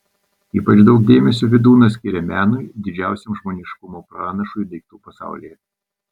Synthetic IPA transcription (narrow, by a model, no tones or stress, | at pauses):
iːpɐt͡ʃd̪ɒʊkd̪ʲeːmʲɛsʲuːʋʲɪd̪uːnɐsʲkʲɪɾʲɛmʲæːnʊjd̪ʲɪd͡ʒʲæˑʊsʲɛmʒmoːnʲɪʃkʊmoːpɾɑːnɐʃʊjd̪ɐɪk̚t̪uːpɐsɑ̰ˑʊlʲijɛ